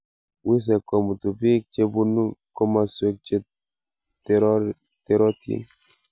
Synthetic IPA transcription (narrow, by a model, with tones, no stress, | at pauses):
wi˦s̬ɛ˨kɔ˨mu˨tu˨bi˦k̚t͡ʃe˦bu˦nːu˦kɔ˦ma˦swe˦k̚t͡ʃe˦ | tɾɔ˦ | te˦ɾɔ˦tḛ˦